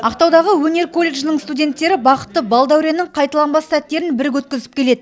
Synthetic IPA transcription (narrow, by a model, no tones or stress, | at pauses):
ɑqt̪ɑwd̪ɑʁəwɵne̞ɾkʰo̞lʲːe̞ɡʒnɪɴst̪udʲe̞nt̪ːe̞ɾɪbɑqə̥t̪ːəbɑlˠd̪æwɾʲenɪŋqʰɑjt̪ɑlˠɑmbɑsːæt̪ːe̞ɾɪnbɪɾɪk̬wɵt̪̚kʲɪzɪ̥p̚kʲʰe̞le̞d̪ɪ